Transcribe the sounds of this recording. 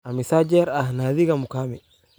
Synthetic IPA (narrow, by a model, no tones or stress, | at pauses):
amisad͡ʒɛɾahnaðiɡamukamɛ